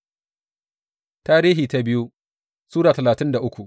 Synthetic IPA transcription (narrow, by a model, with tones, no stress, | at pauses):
taː˦ɾiː˦ɦiː˨ta˦bɪ˦ju˦ | suː˦ɽaː˨tɐ˨laː˨tɪ˦nda˨ʔʊ˦kʷu˨ʔ